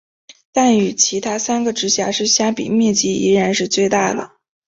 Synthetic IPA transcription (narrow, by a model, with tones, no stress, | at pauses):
t̪a˥˩ny˨˩t͡ɕʰi˧˥t̪ʰa˥sa˥nɡə˨ʈ͡ʂɻ̩˧˥ɕja˧˥ʂɻ̩˥˩ɕja˥pḭ˨˩mjɛ˥˩t͡ɕi˥˩ḭ˧˥ɻa˧˥nʂɻ̩˥˧t͡swe˥˧ɪt̪a˥˩d̪ə̰˩